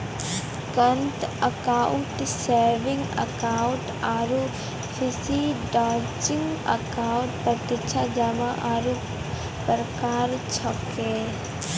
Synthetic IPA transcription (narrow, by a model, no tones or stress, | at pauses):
kənt̪əkaːʊʈseɾʋɪ̃ŋɡə̰kaːʊ̃ɳʈ | aːɾu | fʰisiɖaːt͡ʃɪŋɡə̰kaːʊ̃ɳʈpɾət̪ɪt͡ʃʰad͡ʒamaʔaːɾu | pɾəkaːɾt͡ʃʰɔke